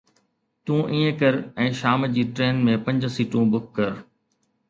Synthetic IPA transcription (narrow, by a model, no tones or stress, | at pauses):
t̪ũːʔĩːə̃kɐɾɛ̃ːʃaːmd͡ʑiːʈɾeːnmẽpɐ̃ɲd͡ʑsiːʈũbʊk̚ʰːɐɾ